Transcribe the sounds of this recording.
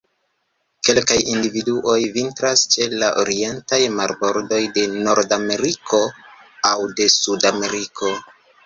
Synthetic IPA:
ke̞lkajindividuʔo̞jvintɾast͡ʃe̞laʔo̰ɾie̞ntajmaɾbo̞ɾdo̞jde̞no̞ɾdame̞ɾikʰo̞awde̞sudame̞ɾikʰo̞

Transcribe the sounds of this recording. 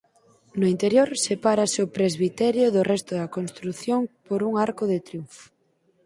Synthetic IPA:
nʊint̪eɾjoɾsepaɾaseʊpɾezβit̪ɛɾjʊðʊrɛst̪ʊðɐkonst̪ɾuθjoŋpoɾuŋaɾkʊðet̪ɾjuɱfo̥

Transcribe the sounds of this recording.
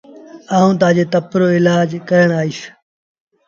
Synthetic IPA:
aːɦũːt̪̬ãːd͡ʒeːt̪əpɾoːɪlaːd͡ʒkəɾəɳ̃aːiːs

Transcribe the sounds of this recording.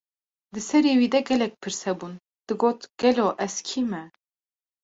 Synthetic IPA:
d̪ɨsɛɾeːwiːd̪ɛɡɛlɛk̚pʰɨɾsɛbuːn | d̪̥ɨɡoːt̪ɡ̥ɛloːʔɛzkʰiːmɛ

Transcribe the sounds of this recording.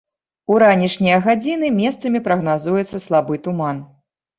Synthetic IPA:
uɾanʲiʂnʲijɐɣad͡zʲinɨmʲɛst̪sɐmʲipɾɐɣnazujɛt̪sːɐslˠabɨt̪uman

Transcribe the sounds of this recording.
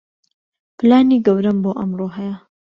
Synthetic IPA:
plaːniɡɐwɾɐmboːʔɐmroːɦɛjɐ

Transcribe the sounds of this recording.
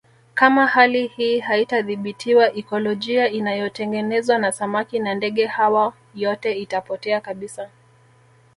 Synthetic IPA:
kamahalihiːhaitaðiɓitʰiwaʔɛkɔlɔʄiainajɔtɛŋɡɛnɛzwanasamakinandɛɠɛhawa | jɔtɛitapɔtɛakaɓisa

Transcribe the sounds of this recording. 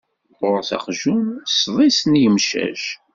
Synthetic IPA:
ʊɾθɑ̰qʒunsðˤisnjəmʃæ̰ʒ

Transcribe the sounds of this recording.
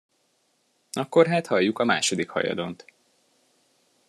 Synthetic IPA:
ɒkːo̞rɦaːt̪hɒjːukɒma̰ːʃo̞d̪ikhɒ̰jɒ̰d̪o̞nt̪

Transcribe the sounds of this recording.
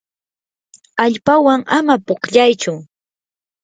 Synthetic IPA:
aʎpawaŋamapoχʎajt͡ʃʊ

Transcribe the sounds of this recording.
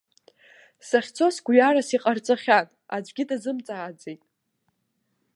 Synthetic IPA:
saχʲt͡sʰo̞sɡʷɥarasiqʼart͡sʼaχʲatʼad͡ʒʷɡʲɪdazɨmt͡sʼaːd͡ze̞jtʼ

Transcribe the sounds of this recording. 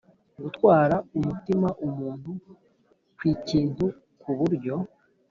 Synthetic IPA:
ɡutkwaːɾaumutimaʔumuːnhu | kwiːciːntu | kuβuɾɟo̞

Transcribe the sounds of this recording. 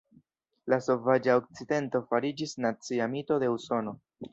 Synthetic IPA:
laso̞vad͡ʒaok̚t͡side̞nto̞faɾid͡ʒisnat͡siamito̞de̞uso̞no̞

